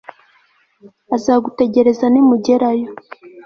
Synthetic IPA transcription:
azaːɡute̞ɟe̞ɾe̞zanimuɟe̞ɾajo

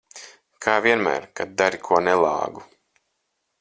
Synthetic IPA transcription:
kʰaːviɛnmæ̰ːɾkad̪̚d̪aɾikʰuɔnɛlˠɑ̰ːɡu

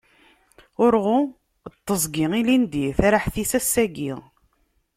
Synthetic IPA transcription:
ʊɾʁʊ | t̪ˤːəzˤɡiilind̪iθaɾaħθisæsːæɡiʁ

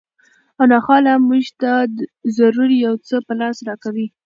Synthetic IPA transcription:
anɑxɑlamuʒt̪azaɾuɾijawt͡səpəlɑsɾɑkawi

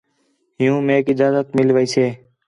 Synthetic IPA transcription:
ɦɪjũːmeːkɪd͡ʒaːzət̪mɪlʋəiːseː

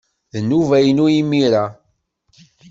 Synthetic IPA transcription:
ðənːuvæjənujimiɾa

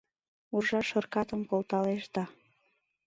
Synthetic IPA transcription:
urʒɑʃə̆rkɑt̪əmkolˠt̪ɑleʃd̪ɑ

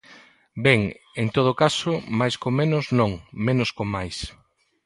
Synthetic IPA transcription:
bɛŋ | ent̪oð̞okasʊmajskomenʊznõŋmẽnʊskomajs

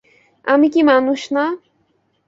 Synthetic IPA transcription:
a̰mikimanʊʃna

